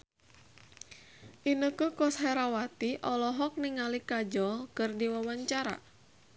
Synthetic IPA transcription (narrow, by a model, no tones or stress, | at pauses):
ʔinəkukɔsɦɛɾawat̪iʔɔlɔɦɔk̚niŋalikad͡ʒɔlkɨrdiwawaɲt͡ʃaɾa̰